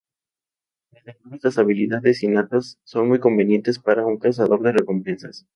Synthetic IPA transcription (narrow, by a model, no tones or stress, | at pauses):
leslaɣnuβezlasaβiliðaðesinat̪asːo̞nmujko̞mbe̞nje̞nt̪e̞spaɾauŋkas̬aðo̞ɾðe̞re̞ko̞mpe̞nsas